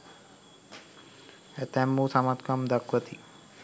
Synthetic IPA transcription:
ɛt̪ɛmːusɐmɐt̪kɐmd̪ɐkʋɐt̪i

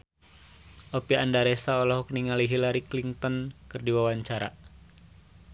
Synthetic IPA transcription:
ʔopiandaɾesaɔlɔɦɔkniŋaliɦilaɾikliŋt̪ɔnkɨrdiwawaɲt͡ʃaɾa̰

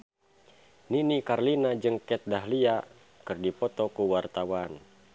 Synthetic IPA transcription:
ninikarlinad͡ʒɨŋkɛt̪̚daɦlia | kɨrdipɔt̪ɔkuwart̪awan

